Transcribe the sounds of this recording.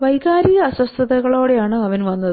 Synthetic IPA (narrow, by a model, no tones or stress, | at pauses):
ʋɐjɣaːɾiɣɐːɕwɐst̪ʰɐðɐɣɐɭo̞ːɽejaːɳɨɐʋɐnʋɐnːɐðɨ